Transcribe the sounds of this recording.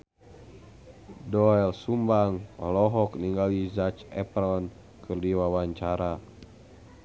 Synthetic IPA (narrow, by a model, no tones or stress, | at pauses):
dɔɛlsumbaŋɔ̰lɔɦɔkniŋɡalizat͡ʃɛ̰pɾɔn | kʰɨrdiwawaɲt͡ʃaɾa